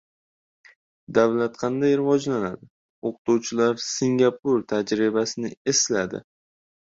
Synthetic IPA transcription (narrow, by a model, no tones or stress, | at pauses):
d̪avlat̪qʰɑnd̪ajɾɪvɒd͡ʒlanad̪ɪ | oqt̪uwt͡ʃʰɪlaɾsɪŋɡʲapʊɾt̪ʰad͡ʒɾɪbasɪnɪe̞slad̪ɪ̰